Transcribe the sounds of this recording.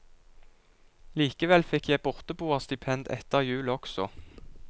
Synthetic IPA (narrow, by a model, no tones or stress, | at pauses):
liːkəʋɛlfɪkʰjæɪbʊʁt̪əbuːəʁst̪ɪpʰɛnd̪ɛ̰t̪əʁjʉːləɔksɔ̰